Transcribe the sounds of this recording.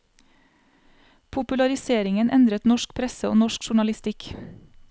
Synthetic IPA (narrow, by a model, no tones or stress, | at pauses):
pʰʊpʉlɑɾɪseːɾɪŋənʔɛnd̪ɾət̪nɔʃk̚pʰɾɛsəo̰ːnɔʃkʃʊɳɑlɪst̪ɪk